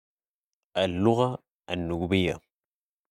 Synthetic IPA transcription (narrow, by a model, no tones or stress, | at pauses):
ʔalːʊɣa | anːʊɡbɪjːa̰